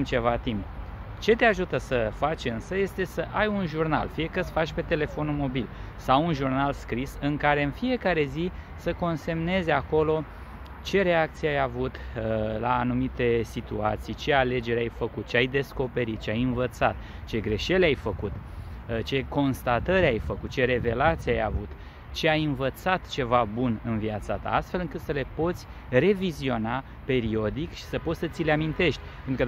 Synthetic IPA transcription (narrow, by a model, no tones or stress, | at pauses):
t͡ʃe̞vat̪imp | t͡ʃe̞t̪eaʒut̪əsəfat͡ʃʲɨnsəje̞st̪e̞səʔajunʒurna̰lfije̞kət̪sfat͡ʃʲpe̞t̪e̞le̞fo̞numo̞bil | sawunʒurnalskɾisɨŋkaɾe̞ɨnfije̞kaɾe̞zi | səko̞nse̞mne̞zako̞lo̞ | t͡ʃe̞ɾe̞ak̚t̪sijeajavut̪laːnumit̪e̞sit̪ua̰t̪sijt͡ʃe̞ale̞d͡ʒe̞ɾeajfəkut̪̚t͡ʃeajd̪e̞sko̞pe̞ɾit̪̚t͡ʃeajɨnvət̪sat̪ | t͡ʃe̞ɡɾe̞ʃe̞leajfəkut̪t͡ʃe̞ko̞nst̪at̪əɾʲajfəkut̪̚t͡ʃeɾe̞ve̞lat̪sieaja̰vut̪ | t͡ʃe̞ajɨnvət̪sat̪t͡ʃe̞vabunɨnviat̪sat̪a̰ast̪fe̞lɨŋkɨt̪səle̞po̞t̪sʲ | re̞vizio̞na | pe̞ɾio̞d̪ikʃi̥səpo̞t̪sət̪sileamint̪e̞ʃt̪ʲpenɾukə